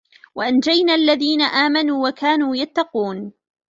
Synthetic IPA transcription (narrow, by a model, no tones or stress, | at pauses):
waʔand͡ʒajnaʔalːaðiːnaʔaːmanuːwakaːnuːjat̪ːɑquːn